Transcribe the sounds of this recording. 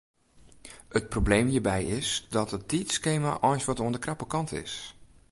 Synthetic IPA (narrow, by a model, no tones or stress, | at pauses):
ət̚probleːmhiːɹbɛjɪsdɔtət̚itskeːma̰ʔɔjnsʋɔtoəndəkrapəkɑntʰɪ̰s